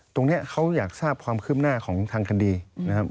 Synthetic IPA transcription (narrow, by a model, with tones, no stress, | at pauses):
t̪o˧ŋni˦˥ɐkʰa˦˥wjaː˨˩k̚saː˥˩p̚kʰwaː˧mkʰɯː˥˩p̚naː˥˩kʰɔː˩˦ŋt̪ʰaː˧ŋkʰa˧diː˧na˦˥kʰa˦˥p̚